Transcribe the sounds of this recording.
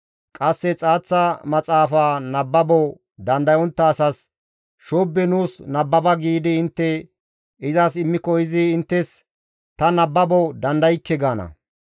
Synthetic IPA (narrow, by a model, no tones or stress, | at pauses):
kʼɐsːɛt͡sʼaːt͡sːɐmɐt͡sʼaːfaːnɐbːɐbɔ | d̪ɐnd̪ɐjɔnt̪ːɐːsɐs | ʃoːbːɛnuːsnɐbːɐbɐɡiːd̪ɪɪnt̪ːɛ | ɪzɐsɪmːɪkɔjɪzɪɪnt̪ːɛs | t̪ɐnɐbːɐbɔd̪ɐnd̪ɐjkːɛɡaːnɐ̰